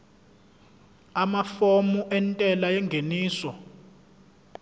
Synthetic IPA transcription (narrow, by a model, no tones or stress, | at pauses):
amafomuʔɛntʼɛlajɛŋɡʱeniːsɔ